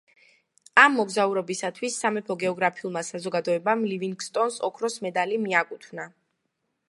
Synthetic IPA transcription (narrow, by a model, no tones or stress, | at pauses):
amːɔɡzauɾɔbisat̪ʰwisːamɛpʰɔɡɛɔɡɾapʰiulˠmasazɔɡad̪ɔɛbamliviŋɡst̪ʼɔnsɔkʰɾɔsmɛd̪alimiakʼut̪ʰwvna